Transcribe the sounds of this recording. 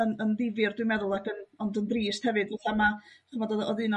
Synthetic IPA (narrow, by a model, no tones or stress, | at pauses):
ənənðɪvɨrdwɨmɛðʊlˠakənɔndənbriːsthɛvɨdvɔɬamaχʰəmɔdɔðɔðɨnɔ